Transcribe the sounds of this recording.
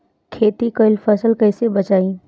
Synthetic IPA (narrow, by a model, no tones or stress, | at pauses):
kʰeːt̪ikəɪlpʰəsəlkɐɪsebɐt͡ʃaːĩ